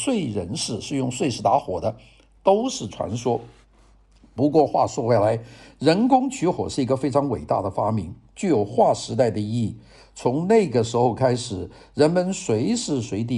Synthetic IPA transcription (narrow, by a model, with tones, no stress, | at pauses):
swe˥˩ɪɻə˧˥nʂɻ̩˥˧ʂɻ̩˥˧jʊ˥˧ŋswe˥˩ɪʂɻ̩˧˥t̪a˧˥xwɔ˨˩d̪ə˦ | t̪o˥ʊʂɻ̩˥˩ʈ͡ʂʰwa̰˧˥nʂwɔ˥ | pu˧˥kwɔ˥˧xwa̰˥˧ʂwɔ˥˧˩xwe˥˩la˧˥ɪɻə˧˥nkʊ˥ŋt͡ɕʰy˧˥xwɔ̰˨˩ʂɻ̩˥˩i˧˥ɡə˧fe˥ɪʈ͡ʂʰɑ˧˥ŋwe˨˩ɪt̪a̰˥˩d̪ə˩fa˥mi˧˥ŋt͡ɕjo˥˩jo˨˩ʊxwa˥˩ʂɻ̩˧˥t̪̬a˥˩ɪd̪ə˩i˥˩ | t͡sʰʊ˧˥ŋna˥˩ɪɡə˩ʂɻ̩˧˥xo˥˧ʊkʰa˥ɪʂɻ̩˨˩˦ | ɻə˧˥nmə˧nswe˧˥ɪʂɻ̩˥˩swe˧˥ɪt̪̬i˧˩